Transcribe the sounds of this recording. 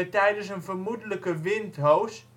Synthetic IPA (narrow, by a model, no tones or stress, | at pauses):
ətɛjdəns̬ənvərmudələkəʋɪntɦows